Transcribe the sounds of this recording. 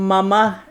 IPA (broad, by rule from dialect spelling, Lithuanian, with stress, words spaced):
mɐˈmɐ